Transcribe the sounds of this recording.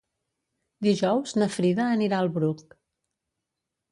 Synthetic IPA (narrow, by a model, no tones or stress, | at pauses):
d̪iʒɔwznəfɾiðəːniɾaəlˠβɾuk